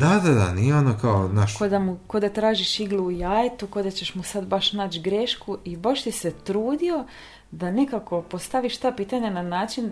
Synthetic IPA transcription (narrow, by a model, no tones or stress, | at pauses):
d̪ad̪ad̪a̰nijeonokaonaʃkod̪amukod̪at̪ɾaːʒiʃiɡluujaːjt̪ukod̪at͡ɕe̞ʃmusad̪baʃnaːt͡ʃɡɾeʃkuʔibaʃt̪ise̞t̪ɾuːd̪io̞ | d̪ane̞kako̞po̞st̪aʋiʃt̪aːpiːt̪aɲananaːt͡ʃin